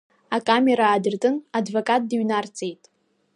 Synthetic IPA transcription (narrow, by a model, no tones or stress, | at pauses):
akʼame̞ɾaːdɨrtʼɨnadvokʼat̚ʼdɨɥnart͡sʼejtʼ